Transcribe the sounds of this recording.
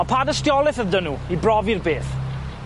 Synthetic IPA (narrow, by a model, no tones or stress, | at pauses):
ɔpʰadəstjɔlˠɪθəndənuibrɔvirbeːθ